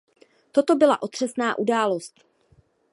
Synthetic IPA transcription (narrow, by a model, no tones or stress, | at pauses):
t̪o̞t̪o̞bɪla̰ʔo̞t̪r̝̥ɛsnaːʔudaːlo̞st̪